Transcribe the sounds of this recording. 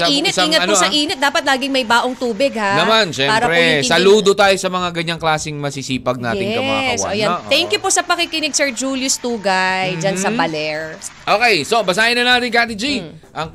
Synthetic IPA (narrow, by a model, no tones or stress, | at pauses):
ɐʔiːnɪt̪siŋɐtɐnosɐʔiːnɪt̪̚d̪aːpɐt̪̚laːɡɪŋmɐjbaːʔoŋt̪uːbɪɡ̚hanɐmanʃɛpaːɾɐpɾɛsɐluːd̪ot̪aːjosɐmɐŋaɡɐɲaŋklaːsɪŋmɐsisiːpɐɡ̚na̰ːɪɛŋɐmaaɐsʔojat̪ɛŋkjʊposɐpɐkikɪnɪɡ̚sɛɹd͡ʒuːljʊst̪uːɡɐjd͡ʒɐnsɐbɐlɛɹʔoːkɛjsobɐsaːʔɪnɐnaːt̪ɪŋkaːt̪ɪd͡ʒi | ʔɐŋ